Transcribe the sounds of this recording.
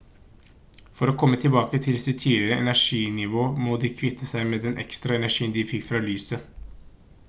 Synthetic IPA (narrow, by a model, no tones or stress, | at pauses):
fɔɾɔkʰɔmːət̪ʰɪlbɑːkət̪ʰɪlsɪt̪ʰiːlɪɾəʔɛ̰næʂiːnɪʋoːmoːd̪ɪkʰʋɪt̪ʰːəsæɪmeːd̪ɛnʔɛ̰kst̪ɾɑɛnæʂiːənd̪ɪfɪkːfɾɑlyːsə